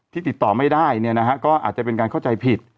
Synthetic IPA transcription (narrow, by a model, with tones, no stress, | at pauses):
t̪ʰiː˥˩t̪i˨˩t̪ːɔː˨˩ma˥˩jdaː˥˩jni˥˩ɐna˦˥kʰa˦˥kɔː˥˩ʔa̰ː˨˩t̪̚t͡ɕa˨˩pe˧nkaː˧nʰka˥˩wt͡ɕa˧jpʰi˨˩t̪̚